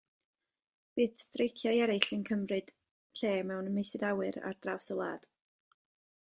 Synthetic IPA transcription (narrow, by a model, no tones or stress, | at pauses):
b̥ɨːθstrejkʰjajɛɾɪɬənkʰəmrɨd̥ | ɬeːmɛwnmejsɪdawɨɾa̰rd̥rawsəlˠa̰ːd̥